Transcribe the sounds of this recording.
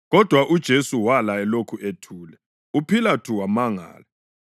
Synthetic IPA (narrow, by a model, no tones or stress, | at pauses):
ɣɔd̥ʱwaʔud̥ʒ̥ʱesuwalajɛlokʰuʔetʰuːlɛ | upʰilatʰuwamaŋa̰ːlɛ